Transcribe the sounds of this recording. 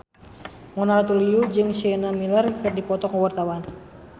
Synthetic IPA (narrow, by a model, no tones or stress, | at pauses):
mɔnaɾat̪uliud͡ʒɨŋsiɛnamilərkɨrdipɔt̪ɔkəwart̪awan